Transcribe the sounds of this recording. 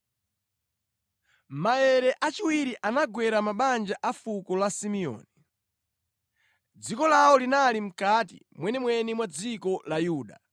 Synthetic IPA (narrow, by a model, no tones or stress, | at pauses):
maɛɾɛʔat͡ʃiwiɾiʔanaɡwɛɾamaɓand͡ʒaʔafukɔlasimiɔ̰ːni | d͡zikɔlaɔlinalim̩katḭ | mwɛnɛmwɛnimwad͡zikɔlajuːɗa